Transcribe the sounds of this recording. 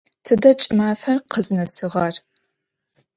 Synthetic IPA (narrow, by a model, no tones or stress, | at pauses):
tʰɨdɐt͡ʃʼɪmaːfɐrqʰəznɐsɨʁɐr